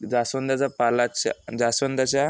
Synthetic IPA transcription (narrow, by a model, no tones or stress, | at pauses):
d͡zasʋənd̪at͡sapalat͡ɕad͡zasʋənd̪at͡ɕa